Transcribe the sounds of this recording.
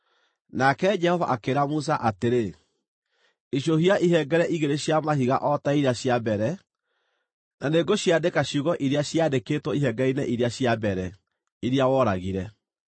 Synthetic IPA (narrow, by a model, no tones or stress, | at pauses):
nakɛd͡ʒɛhɔvaʔakeɾamus̬aʔateɾe | iɕjohiaʔiɦɛɡɛɾɛʔiɣeɾeɕjamaɦiɣa̰ʔɔtaiɾaɕjabɛɾɛ | naneɡoɕjadekaɕjuɣɔʔiɾeaɕjadekeːtwɔiɦɛɡɛinɛʔiɾeaɕjabɛɾɛ | iɾeawɔɾaɣiɾɛ